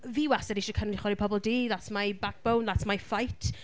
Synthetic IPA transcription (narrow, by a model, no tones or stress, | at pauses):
viwasɛdiʃəkʰənʊdiχwɔɾipʰɔbɔlˠdiːðatʰmajbak̚b̥ownðatʰmajfajtʰ